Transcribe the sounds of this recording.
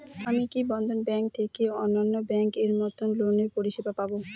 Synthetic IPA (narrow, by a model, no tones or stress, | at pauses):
amikibɔnd̪ʱonbɛŋk̚t̪ʰekeoɔnːanːobɛŋkeɾmɔt̪ʰonloneɾpoɾiʃibapabo